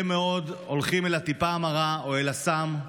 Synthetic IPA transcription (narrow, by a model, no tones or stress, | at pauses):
meo̞d̪olχime̞lat̪ipaːmaʁaoe̞lasam